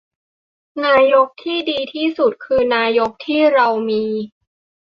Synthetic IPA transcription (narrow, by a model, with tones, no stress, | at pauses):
naː˧jo˦˥k̚t̪ʰiː˥˩diː˧t̪ʰiː˥˩su˨˩t̪̚kʰɯː˧naː˧jo˦˥k̚t̪ʰiː˥˩ɾa˧wmiː˧